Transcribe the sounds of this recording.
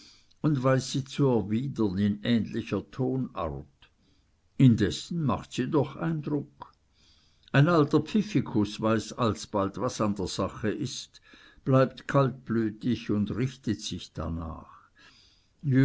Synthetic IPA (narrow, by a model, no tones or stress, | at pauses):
ʊndvaɪsːiːt͡suɛɐviːdɐnɪnɛːnlɪçɐtʰoːna̰ʁt | ɪndɛsn̩ma̰χtsiːdɔχa̰ɪndʁʊk | aɪnaltɐpfɪfikʰʊsvaɪsalsb̥altvasandeːɐz̥aχəʔɪst | b̥laɪp̚tkʰalt̚b̥lyːtɪçʊndʁɪçtətsɪçd̥a̰na̰ːχ | j